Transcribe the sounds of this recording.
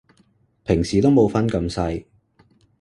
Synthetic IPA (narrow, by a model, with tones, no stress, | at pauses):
pʰɪ˨˩ŋsiː˨˩t̪o˥wmo˨˧wfɐ˥nkɐ˧msɐ˧j